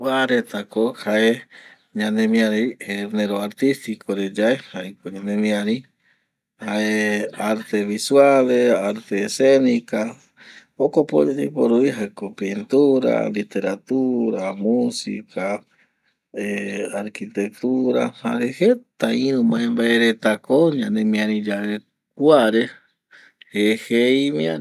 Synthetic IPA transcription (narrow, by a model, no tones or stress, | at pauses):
waɾet̪akohae | ɲãnẽmĩaɾejeneɾoaɾt̪ist̪ikʰoɾed͡ʒaehajkoɲanẽmĩaɾi | haeaɾt̪eβiswaleaɾt̪esenika | okopo̰d͡ʒed͡ʒapoɾuiɦaekopint̪uɾa̰lit̪eɾat̪uɾamusḭkʰa | eaɾkit̪ek̚t̪uɾa̰ha̰ɾehet̪aĩɾũmãẽmbaeɾet̪akoɲãnemĩãɾĩd͡ʒaɾe | k̚waɾe | hehejmĩa